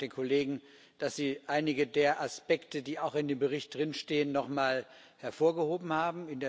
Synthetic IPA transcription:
d̥eːnkʰoleːɡŋ̩ | d̥asz̥iːʔaɪnɪɡədeːɐʔaspɛktədiːaʊxɪndeːmbəʁ̞ɪçt̚d̥ʁɪnʃteːənːɔχmaːl | hɛɐfoːɐɡəhoːbm̩haːbm̩ɪndeː

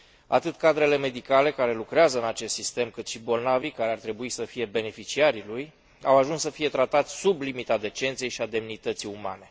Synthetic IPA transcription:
a̰t̪ɨt̪kad̪ɾe̞le̞me̞d̪ikale̞kaɾe̞lukɾeazəɨnat͡ʃe̞st̪sist̪e̞mkɨt̪ʃibo̞lnavikaɾeart̪ɾe̞buisəfije̞be̞ne̞fit͡ʃiaɾiluj | awaʒunssəfije̞t̪ɾat̪at̪sʲsublimit̪ad̪e̞t͡ʃe̞nt̪sije̞jʃiad̪e̞mnit̪ət̪siuma̰ne̞

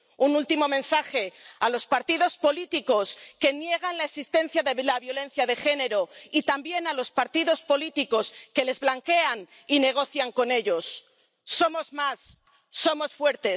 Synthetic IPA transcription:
unult̪imo̞mẽ̞nsaxe̞alo̞spaɾt̪iðo̞spo̞lit̪iko̞ske̞nje̞ɣ̞anlaesist̪e̞n̟θjaðelaβjo̞lẽ̞n̟θjaðe̞xe̞ne̞ɾo̞it̪ambje̞nalo̞spaɾt̪iðo̞spo̞lit̪iko̞ske̞le̞zβlaŋke̞an | ine̞ɣ̞o̞θjaŋko̞ne̞ʎo̞sː | o̞mo̞zmasː | o̞mo̞sfwe̞ɾt̪e̞

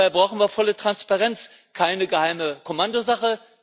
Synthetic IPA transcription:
aɪbʁaʊxn̩viːɐfɔlətʁ̥anspaʁɛnt͡s | kʰaɪnəɡəhaɪməkʰomandozaχə

